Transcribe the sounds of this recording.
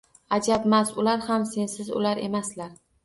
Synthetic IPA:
ad͡ʒabmasʊlaɾhamse̞nsɪzʊ̰laɾe̞̰maslaɾ

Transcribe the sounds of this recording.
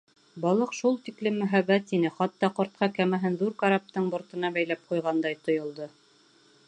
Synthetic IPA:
bɑlˠɤqʃulˠt̪iklɘmːɵ̆ɦæβːæt̪inɘχɑt̪ːɑqŏɾt̪̚qɑkæmæɦɘnðuɾkɑɾap̚t̪ɤɴbŏɾt̪ɤ̆nɑbæjlæp̚qujʁɑnd̪ɑjt̪ŏjŏlˠd̪ɤ

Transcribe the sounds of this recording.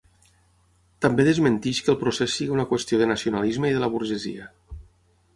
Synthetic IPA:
t̪ambeðəzmənt̪iʃkəlˠpɾosesːiɣiunakwəst̪ioðənasiunalizməiðələβuɾʒəzḭə

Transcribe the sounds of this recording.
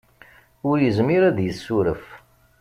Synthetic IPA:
ʊɾjəzmiɾæðjəsːuɾəf

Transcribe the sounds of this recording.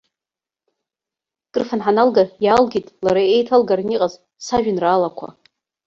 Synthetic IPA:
kʼɨrfanħanalɡajalɡʲitʼlaɾaejtʰalɡarniqʼaz | saʒᶣɪnraːlakʷʰa̰

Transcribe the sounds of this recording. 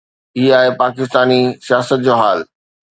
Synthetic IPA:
iːaːɦepaːkɪst̪aːnisijaːsət̪̚d͡ʑoːɦaːl

